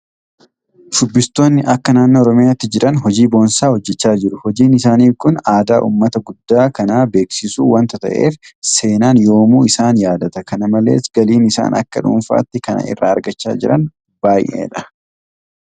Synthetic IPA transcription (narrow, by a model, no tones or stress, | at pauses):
dʊbːɪst̪o̞ːnːɪʔɐkːɐnaːnːoːɾɔmɪjaːt̪ːɪd͡ʒɪɾɐnhɔd͡ʒiːbo̞ːnsaːhɔd͡ʒːɛt͡ʃːaːd͡ʒɪɾʊhɔd͡ʒiːnɪsaːniːfkʊnaːd̪aːʔṵːmːɐt̪ɐɡʊd̪ːaːkɐnaːbe̞ːksɪsuːwɐnt̪ɐt̪ɐ̰ʔe̞̰ːfse̞ːnaːnjo̞ːmuːɪsaːnjaːd̪ɐt̪ɐkɐnɐmɐle̞̰ːsɡɐliːnɪsa̰ːnɐ̰kːɐ̰ᶑṵnfa̰ːt̪ːɪkɐnɐ̰ɪ̰rːa̰ːɐɾɡɐt͡ʃːa̰ːd͡ʒɪɾɐ̰n | b̥aːjʔḛːᶑɐ̥